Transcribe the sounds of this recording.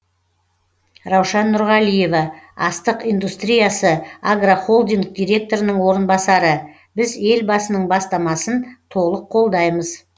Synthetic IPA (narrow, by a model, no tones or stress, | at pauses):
rɑwʃɑnːʊɾʁɑlije̞vɑɑst̪əqijnd̪ust̪ɾʲijasəaɡraχo̞lˠd̪iŋk̚d̪ʲijɾʲe̞k̚t̪o̞ɾənəɴwo̞ɾənbɑsɑɾə | bɪze̞lbɑsənəɴbɑst̪ɑmɑsənt̪ʰo̞lˠəqʰːo̞lˠd̪ɑjməz